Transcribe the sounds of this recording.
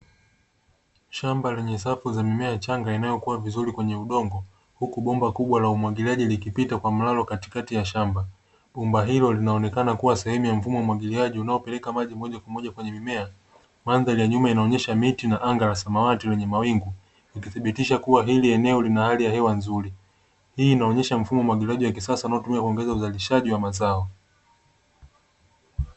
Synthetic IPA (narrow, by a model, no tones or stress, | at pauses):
ʃambalɛɲɛsafuzamimɛat͡ʃaŋɡainajɔkuwavizuɾikwɛɲɛuɗɔŋɡɔ | hukuɓɔmbakuɓwalaumwaɠiliaʄilikipitakwam̩lalɔkati̥katijaʃamba | ɓumbaɦilɔlinaɔnɛkanakuwasɛhɛmujam̩fumɔumwaɡiliaʄiunaɔpɛlɛkamaʄimɔʄakwamɔʄakwɛɲɛmimɛa | manðalijaɲumainaɔɲɛʃamitinaʔaŋɡalasamawatilɛɲɛmawiŋɡu | likiθiɓitiʃakuwaɦiliɛnɛɔlinahalijahɛwanzuɾi | hiːnaɔɲɛʃam̩fumɔwamwaɠiliaʄiwakisasawnaɔtumiakuɔŋɡɛzauzaliʃaʄiwamazaɔ